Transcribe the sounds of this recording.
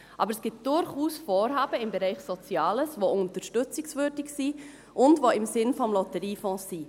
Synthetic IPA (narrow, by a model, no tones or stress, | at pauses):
ʔɑ̰bəɾəsɡ̥ɪt̚d̥ʊɾχuːsfɔːɾɦɑːbəɪmbɛɾɛɪχsɔt͡sjɑːləsʋoʊntəɾʃtʏt͡sɪksvʏɾdɪksi | ʔʊndvoɪmsɪnfɔmlɔtəɾiːfɔ̃ːsi